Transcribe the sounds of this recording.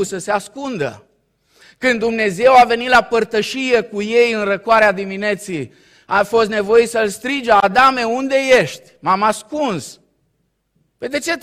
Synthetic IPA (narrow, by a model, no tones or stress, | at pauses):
səseaskund̪ə̰ | kɨnumne̞ze̞wave̞nit̪lapərt̪əʃije̞kuje̞jɨnrəkoaɾead̪imine̞t̪sij | afo̞st̪ne̞vo̞jijsəlst̪ɾid͡ʒead̪ame̞und̪e̞jeʃt̪ʲmamaskuns | ped̪e̞t͡ʃe̞